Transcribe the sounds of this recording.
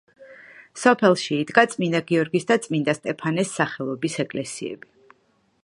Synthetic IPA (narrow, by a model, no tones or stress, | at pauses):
sɔpʰɛlˠʃiːd̪ɡat̪sʼmind̪aɡiɔɾɡisd̪at̪sʼmind̪ast̪ʼɛpʰanɛsːaχɛlˠɔbisɛkʼlɛsiɛ̰bi